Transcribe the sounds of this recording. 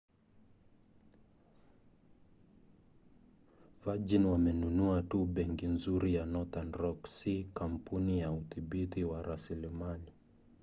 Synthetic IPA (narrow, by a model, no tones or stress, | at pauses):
vad͡ʒinwamɛnunuatuɓɛŋkinzuɾijanɔθanɾɔksikam̩punijauθiɓitiwaɾasilimali